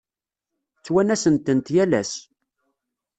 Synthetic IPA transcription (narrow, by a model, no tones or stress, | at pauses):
t͡sːwænæsənt̪ənt̪jælæ̰s